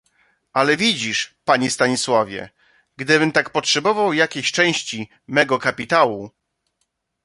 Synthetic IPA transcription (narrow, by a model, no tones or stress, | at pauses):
ʔalɛvʲid͡ʑiʂpaɲist̪aɲiswavʲjɛ̰ | ɡd̪ɘbɘmt̪akpɔtʂɛbɔvawjakʲeɕt͡ʂɛ̃w̃ɕt͡ɕi | mɛɡɔkapʲit̪awu